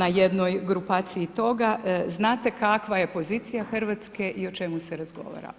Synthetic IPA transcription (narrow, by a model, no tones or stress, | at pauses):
naje̞d̪no̞jɡɾupaːt̪siit̪o̞ɡaznaːt̪e̞kakʋaje̞po̞ziːt̪sijaxr̩ʋat̪skeʔio̞t͡ʃe̞museɾazɡo̞̰ʋa̰ːɾa̰